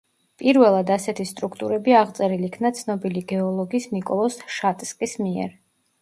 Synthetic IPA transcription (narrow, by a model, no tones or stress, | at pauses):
pʼiɾvɛlˠad̪asɛt̪ʰist̪ʼɾukʰt̪ʼuɾɛbiaʁt̪sʼɛɾilikʰnat̪sʰnɔbiliɡɛɔlˠɔɡisnikʼɔlˠɔsʃat̪ʼskʼismiɛ̰ɾ